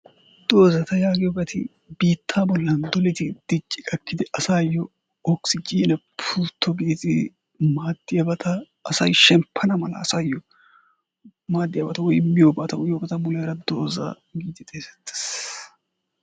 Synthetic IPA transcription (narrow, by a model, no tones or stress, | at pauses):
d̪o̞ːzɐt̪ɐjaːɡɪjɔbɐt̪ʰɪ̰ | biːt̪ʰːaːbɔlːɐnd̪ɔlɪt̪ɪd̪̥ɪt͡ʃʼːɪkʼɐkːɪd̪ɪʔɐsaːjɔ | ɔksɪd͡ʒiːnɛpʰuːt̪ʰːɔɡiːzʼɪ | maːd̪̥ːɪjɐbɐt̪ɐː | sɐjʃɛmpʰːɐnɐmɐlɐ̰ːsɐjɔ | maːd̪ːɪjabɐt̪ɐwɔjmːɪjoːbɐːt̪ɐwɔjjoːbɐt̪ɐmʊlɐjɾɐd̪o̞ːza̰ | ɡiːt̪ːɪt̪ʼeːsɛ̥t̪ʰːɪ̥s